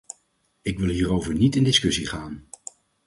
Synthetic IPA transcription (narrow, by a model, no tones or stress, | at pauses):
ɪkʋɪlˠɦiːrowvəɹnitɪndɪskɵsiχaːn